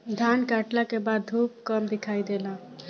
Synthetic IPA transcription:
d̪ʱankaʈlakebad̪d̪ʱup̚kəmd̪ikʰajd̪ela

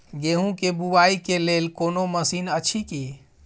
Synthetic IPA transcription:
ɡeɦũkebuwaikelelkonoməsinət͡ʃʰiki

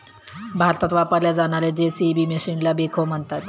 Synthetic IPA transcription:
bʱaɾt̪at̪ʋapəɾljad͡zaɽ̃aɾed͡ʑesibiːmeɕinlabekʰom̤əɳt̪at̪

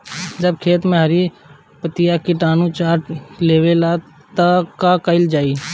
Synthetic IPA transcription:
d͡ʒəb̚kʰeːt̪mẽɦəɾi | pət̪ɪjakiʈaːnut͡ʃaːɾʈleːwela | t̪əkakəɪld͡ʒaːi

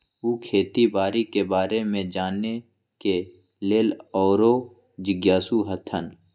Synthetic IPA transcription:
uːkʰeːt̪ibaːɾikebaːɾemẽd͡ʒaːnːe | ke | leːlɔːɾo | d͡ʒɪɡjaːsuɦət̪ʰən

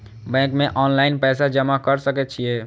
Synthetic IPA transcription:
bɛ̃kmeʔɔːnlaɪnpɛsad͡ʒəmakəɾsəkɛt̪t͡ʃʰije

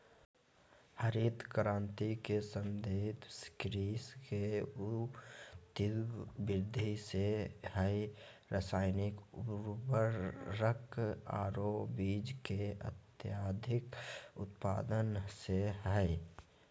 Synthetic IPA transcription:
həɾit̪kəɾãːnt̪ikesəmd̪ʱet̪skɾiːske | t̪ɪbɪɾd̪ʱisehɛ | ɾəsaːɪnɪkʊɾbəɾːəka̰ːɾobiːd͡ʒkeə̰t̪jaːd̪ʱɪkʊ̰t̪pa̰ːd̪ənseɦɛj

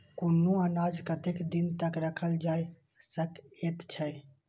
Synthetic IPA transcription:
konːuənad͡ʒkət̪ekd̪int̪əkɾəkʰəld͡ʒaj | səket̪t͡ʃʰɛ

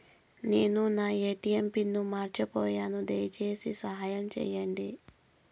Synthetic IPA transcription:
ne̞ːnunaːeːʈiempinːumaːɾt͡ʃɐpɔːjaːnud̪ɐjɐt͡ʃeːsisɐɦaːjɐmt͡ʃɛ̰ːjɐɳɖi

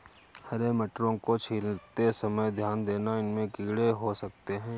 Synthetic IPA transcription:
hɐɾemɐʈɾõkot͡ʃʰiːlt̪esɐməjd̪ʱjaːnd̪eːnaɪnmẽɡiːɽeɦosɐk̚t̪eɦɛ̃ː

